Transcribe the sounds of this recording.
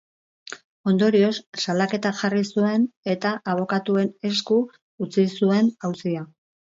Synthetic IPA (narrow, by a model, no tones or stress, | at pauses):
o̞nd̪o̞ɾio̞sːalake̞t̪aʝarisue̞ne̞t̪aʔaβ̞o̞kat̪ue̞ne̞skuː | t͡sisue̞nawsia